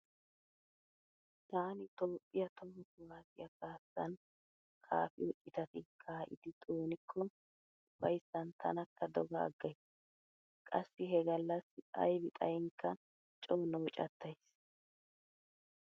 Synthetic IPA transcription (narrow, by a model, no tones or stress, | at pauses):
t̪aːnɪt̪o̞ːpʼːɪjɐt̪ɔmːɔkʊwaːsɪ̰jɐkaːsːɐn | kʼa̰ːfɪɔt͡ʃʼːɪt̪ɐt̪ɪkʰːaʔɪ̰d̪ɪt̪ʼoːnɪkʰːɔ | ʊfɐjsːɐnt̪ʰɐ̰nɐkʰːɐd̪ɔɡa̰ːɡːɐjs | kʼɐsːɪɦɛɡɐlːɐsɐ̰jbɪt̪ʼɐjɪŋkːɐ | t͡ʃʼoːnoːt͡ʃʼɐ̰t̪ːɐjs